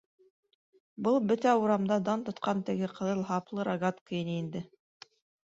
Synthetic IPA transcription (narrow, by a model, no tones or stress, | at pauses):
bɤlˠbɵt̪æuɾɑmd̪ɑd̪ɑnt̪ŏt̪qɑnt̪ɘ̆ɡɘqɤ̆ðɤlˠɦɑplˠɤɾɐɡat̪kɤinɘind̪ɘ